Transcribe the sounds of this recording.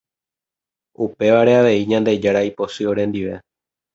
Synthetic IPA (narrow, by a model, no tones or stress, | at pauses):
upe̞ʋaɾe̞aʋe̞iɲãnd̪e̞d͡ʒaɾaipo̞sɨo̞ɾẽ̞nd̪iʋe̞